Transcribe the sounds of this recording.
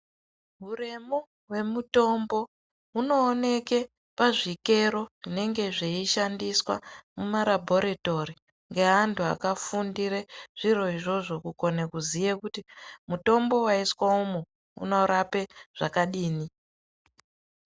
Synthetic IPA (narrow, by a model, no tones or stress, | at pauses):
ɦure̞mo | we̞muto̞mbo̞ | uno̞ːne̞ke | paʐike̞ɾo̞ʐine̞ŋɡe̞ʐeiʃandiswa̰mumaɾabʱoɾeto̞ɾi | ŋɡe̞ɦantua̰kafundiɾeʐ̥iɾo̞iʐo̞ʐo̞kuko̞nekuzijekutimuto̞mbo̞waiswaumu | ṵno̞ɾape̞ʐ̥akaɗiːni